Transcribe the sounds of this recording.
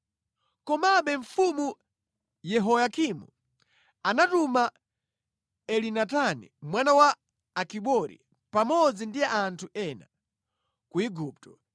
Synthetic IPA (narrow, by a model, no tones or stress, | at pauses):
kɔmaɓɛɱfumu | jɛɦɔjakimṵ | anatuma | ɛlinatanḭmwanawaː | kiɓɔɾḭ | pamɔd͡zindiaantʰuʔɛna | kuiɡuːp̚tɔ̥